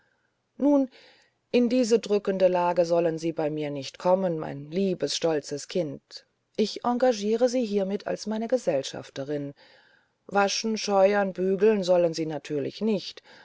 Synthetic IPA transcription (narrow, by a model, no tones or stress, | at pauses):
nuːn | ʔɪndiːzədʁʏkəndəlaːɡəzɔlənziːbaɪmiːɐnɪçtkʰɔmənma̰ɪnliːbəsʃtɔlt͡səskʰɪnt | ʔɪçʔaŋɡaʒiːʁəziːɦiːɐmɪtʰa̰lsmaɪnəɡəzɛlʃa̰ftəʁɪn | vaʃn̩ʃɔʏɐnbyːɡl̩nzɔlənziːnatʰyːɐlɪ̰çnɪçt